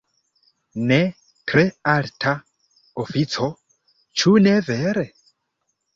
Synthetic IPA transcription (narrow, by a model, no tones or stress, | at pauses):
nɛ | tɾealtʰa | ofit͡sʰo | t͡ʃʰuneveɾe